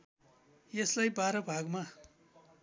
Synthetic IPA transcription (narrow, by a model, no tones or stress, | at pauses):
jeslajbaɾʌbʱaɡma